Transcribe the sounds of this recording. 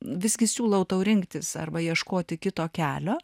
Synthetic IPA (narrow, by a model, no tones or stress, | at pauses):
ʋʲɪsʲɡʲɪsʲuːlˠɐʊt̪ɐʊɾʲɪŋkt̪ʲɪsɐ̰rbɐjiɛʃkoːt̪ʲɪkʲɪt̪oːkʲæːlʲoː